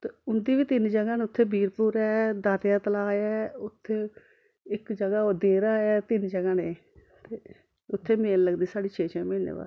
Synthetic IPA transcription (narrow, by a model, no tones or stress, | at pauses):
t̪eːʊnd̪iːʋiːt̪ɪnd͡ʒəɡãːneːʊt̪ʰːeːbiːɾpuːɾɛːd̪aːt̪jaːt̪əlaːjɛːʊt̪ʰːeː | ɪkd͡ʒəɡaːoːd̪eːɾaːjɛːt̪ɪnd͡ʒəɡãːneː | t̪eː | ʊt̪ʰːeːmeːlləɡd̪iːsaːɖiːt͡ʃʰeːt͡ʃʰɛ̃ːmeːnḛːʋa̰ː